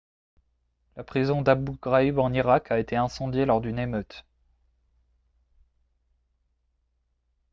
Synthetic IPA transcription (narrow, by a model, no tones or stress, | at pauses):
lapχizɔ̃d̪abuɡʁaybɑ̃niʁakʰaet̪eɛ̃sɑ̃d̪jelɔʁd̪ynemøt̪